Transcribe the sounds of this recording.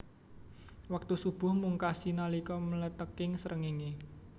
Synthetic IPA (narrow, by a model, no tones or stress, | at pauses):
wak̚t̪usub̥ʊ̤hmuŋkasinalikɔmələt̪əkɪŋsəɾʔəŋini